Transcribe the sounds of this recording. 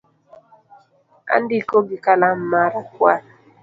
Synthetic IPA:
a̰ndikoɡikalam̩maɾakwa

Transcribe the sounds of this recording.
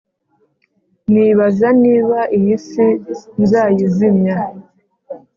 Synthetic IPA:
niβazaniːβaʔijisinzaːjizimɲa

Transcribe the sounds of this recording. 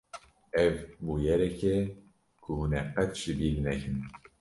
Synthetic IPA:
ɛvbuːjɛɾɛkɛ | kʰuhunɛqɛt̪ʃibiːlnɛkɨn

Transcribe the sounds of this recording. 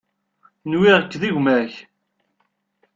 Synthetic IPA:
nwiʁəkːðiʝmæç

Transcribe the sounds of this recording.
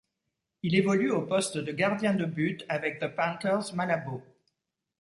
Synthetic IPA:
ilevɔlyopɔst̪d̪əɡaʁd̪jɛ̃d̪əbyt̪avɛk̚ðəpãkœʁzmalabo

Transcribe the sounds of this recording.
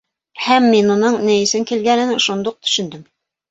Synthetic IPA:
hæmːinunɤɴnɘ̆jɘ̆sɘŋkilɡænɘnʃund̪uq̚t̪ɵ̥̆ʃɵ̆nd̪ɘm

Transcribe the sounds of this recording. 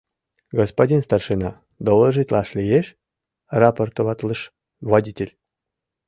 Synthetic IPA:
ɡospodʲinst̪ɑrʂɨnɑ | d̪ollˠəʒɨt̪ʲlˠɑʃlʲijeʃ | raport̪oβɑt̪lˠɤʃ | vodʲitʲelʲ

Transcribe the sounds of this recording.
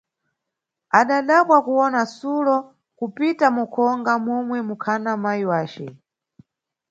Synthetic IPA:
aɗaɗakwakuwɔnasulɔ | kupitamukʰɔŋɡamɔmwɛmukʰanamajiwaːt͡ʃɛ̰

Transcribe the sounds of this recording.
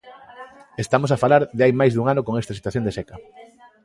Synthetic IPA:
est̪amosafalaɾðeajmajzðuŋanokoŋɛst̪ɐs̬it̪waθjõnd̪esɛkɐ

